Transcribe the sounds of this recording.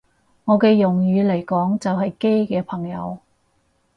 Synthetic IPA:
ŋɔː˨˧kɛː˧jʊ˨˩ŋjyː˨˧le˨˩jkɔː˨˥ŋt͡sɐ˨wɦɐ˨jke˥jkɛː˧pʰɐ˨˩ŋjɐ̰˨˧w

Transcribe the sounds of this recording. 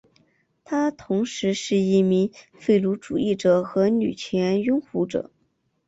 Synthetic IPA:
t̪ʰa˥t̪ʰʊ˧˥ŋʂɻ̩˧˥ʂɻ̩˥˩i˥˩mi˧˥ŋfe˥˩ɪlu˧˥ʈ͡ʂu˨˩i˥˩ʈ͡ʂɤ˨˩xɤ˧˥ny˨˩t͡ɕʰjɛ˧˥njʊ˥ŋxu˧˥ʈ͡ʂɤ̰˨˩˦

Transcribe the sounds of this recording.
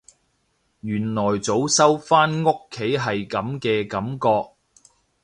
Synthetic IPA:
jyː˨˩nlɔː˨˩jt͡so˨˥wsɐ˥wfaː˥nŋo˥kʰːe˨˥jɦɐ˨jkɐ˨˥mkɛː˧kɐ˨˥mkɔː˧k̚

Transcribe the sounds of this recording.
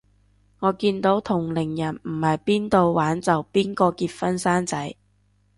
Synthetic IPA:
ŋɔː˨˧kiː˧nt̪o˨˥wt̪ʰʊ˨˩ŋlɪ˨˩ŋjɐ˨˩nm̩˨˩hɐ˨jpiː˥nt̪o˧wwaː˨˥nt͡sɐ˨wpiː˥nkɔː˧kiː˧t̚fɐ˥nsaː˥nt͡sɐ˨˥j

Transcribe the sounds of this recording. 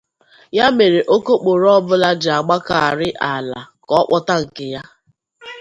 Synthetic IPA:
ja˦me˨ɾe˨ʔo˦ko˦k͡po˨ɾɔ˦bʊ˦la˦d͡ʒɪ˨a˨ɡ͡ba˦ka˨a˨ɾɪ˦ʔa˨la˨kɔ˦k͡pɔ˦ta˦ŋ̩˨kɪ˨ja˦

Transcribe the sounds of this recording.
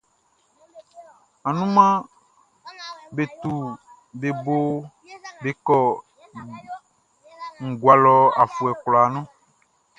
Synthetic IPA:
a˨nũ˦mã˦ | be˨t̪u˨ | be˨bo˦ | be˨kɔ˦ | ŋ̩˨ɡwa˨lɔ˨a˨fu˨ɛ˨klɔ˨a˨nɔ̃˦

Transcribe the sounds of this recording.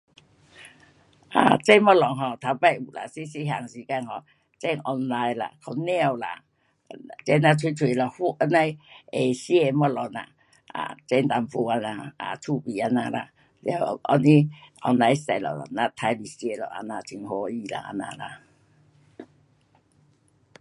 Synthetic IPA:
ʔa̰˨t͡sɛ˦nmɔ˦˥lɔ˨ŋɦɔ˧˨t̪ʰa˧pa˦˧˦u˨ʔla̰˨si˦si˧˦ɦa̰˨˩ŋsi˧ka˧nhɔ˧˨ | t͡sɛ˧˦ŋʔɔ˧nla˧jla̰˨kʰɔ˧nɛ̃˦˧a˧˨wla̰˨ | t͡sɛ˦na˧t̪ʰwi˧t̪ʰwi˨˧˨lɔ˨hu˦ʔa˧na˧je˨si˦e˧˨mɔ˦lɔ˨˩ŋa̰˨ | a̰˨t͡sɛ˦˧nt̪a˧˩mfu˧a˧na˧a̰˨tʰu˧bi˨a˧nã˧la̰˨ | la˧˩˨ʔɔ̰˧ni˦ʔɔ̰˧nla˧jstɛ˧˨lɔ̰˨lɔ̰˨na˧t̪ʰa˧˦bi˨si˦e˧˨lɔ̰˨ʔa̰˧na˧t͡ɕʰi˧ŋho˧i˧la̰˨ʔa̰˧nã̰˧la̰˨

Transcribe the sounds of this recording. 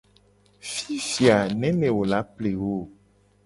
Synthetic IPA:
fi˦fi˨a˨nɛ̃˦mɛ̃˨wo˨la˨˦ple˨wo˦˨

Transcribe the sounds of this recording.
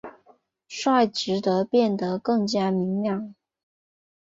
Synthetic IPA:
ʂwa˥˩ɪʈ͡ʂɻ̩˧˥t̪ɤ˧˥pjɛ˥˩nt̪ə˩kɤ˥˩ŋt͡ɕja˥mi˧˥ŋljɑ˥˩ŋ

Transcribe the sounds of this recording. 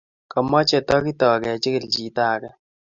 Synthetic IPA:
kɔ˨mɔ˦t͡ʃɛ˨tɔ˦ki˦tɔ˨kɛ˨t͡ʃɪ˦kɪ˦˨ld͡ʒi˨taː˦˨kɛ˦

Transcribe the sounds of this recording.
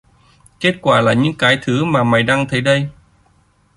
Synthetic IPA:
ke˦˥t̚kwaː˧˩laː˨˩ɲɨ̰˧˥ŋkaː˨˦jt̪ʰɨ˨˦maː˨˩ma˨˩jɗaː˧ŋt̪ʰə˨˦jɗə˧j

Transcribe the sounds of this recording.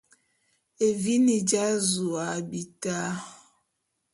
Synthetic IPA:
e˨vi˦ni˨d͡ʒa˦zu˨a˨bi˨ta˦

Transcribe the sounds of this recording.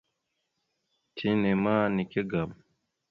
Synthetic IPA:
tʰi˦nɛ˨ma˦ni˨ke˦ɡa˨m

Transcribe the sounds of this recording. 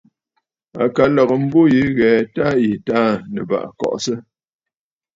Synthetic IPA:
a̰˨ka˨˦lɔ˨ɣə˨m̩˦bo˦ji˨˦ɣɛː˨ta˦i˨ta˦˨nə̰˨ba̰˨ʔkɔ̰˨ʔsə˦

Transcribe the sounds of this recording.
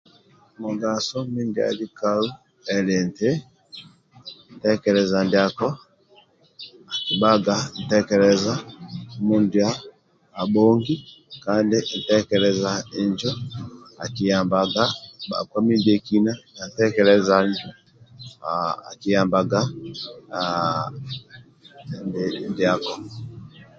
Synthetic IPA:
mɔ˨ɡa˨sɔ˦mi˦ndi˨˦a̰˨li˦ka˦u˦ | ɛ˨lɛ˨nte˦ | n̩˨tɛ˦kɛ˨lɛ˨za˨ndi˨a˨kɔ˦ | a˨ki˨ba˦ɡa˨n̩˨tɛ˦kɛ˨lɛ˨za˦mu˨ndi˨aː˦˨ | bɔ˦ŋɡi˦kandɛ˦n̩˨tɛ˦kɛ˨lɛ˨za˨ɲd͡ʒɔ˦a̰˨ki˨jamba˨ɡa˦ɓa̰˨kwa˦mi˦dɛ˦ki˦na˦na˨n̩˨tɛ˦kɛ˨lɛ˦za˨ɲd͡ʒɔ˦ | a̰˨ki˨ja˨mbaɡa˦ | ndndi˨a˨kɔ˨

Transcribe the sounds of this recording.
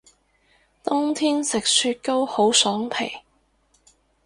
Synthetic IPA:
t̪ʊ˥ŋt̪ʰiː˥nsɪ˨k̚syː˧t̚ko˥who˨˥wsɔː˨˥ŋpʰḛ˨˩j

